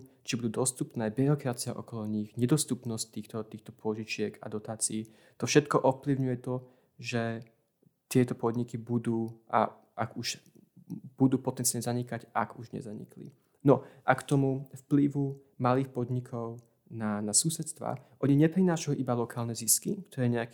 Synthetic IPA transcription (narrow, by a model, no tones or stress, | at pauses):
t͡ʃibud̪uːd̪ɔst̪upnɛːbiɾɔkɾat͡siaʔɔkɔlɔɲiɣɲɛd̪ɔst̪upnɔsc̚t̪iːxt̪ɔt̪iːxt̪ɔpʊɔʒit͡ʃɪɛka̰d̪ɔt̪aːt͡siː | t̪ɔfʃɛt̪kɔʔɔfpliʊɲujɛt̪ɔ | ʒɛ | t̪ɪɛt̪ɔpɔd̪ɲikibud̪uːʔa̰ | ʔaɡuʃ | b̥ud̪uːpɔt̪ɛnt͡siɪalɲɛzaɲikacaɡuʒɲɛ̰zaɲḭklḭ | nɔʔakt̪ɔmufpliʋu | maliːxpɔd̪ɲikʰɔʊ | nanasusɛt̪st̪ʋa̰ʔɔɲiɲɛpɾinaːʃauʔibalɔkaːlnɛziskikt̪ɔɾɛɲɛak